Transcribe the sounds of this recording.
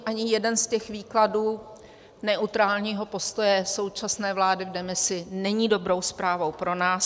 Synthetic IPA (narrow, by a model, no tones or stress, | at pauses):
ʔaɲɪjɛdɛnscɛxviːkladuː | nɛʔut̪ɾaːlɲiːɦo̞po̞st̪o̞jɛso̞wt͡ʃasnɛːvlaːdɪvdɛmɪsɪnɛɲiːdo̞bɾo̞wspɾaːvowpɾo̞naːs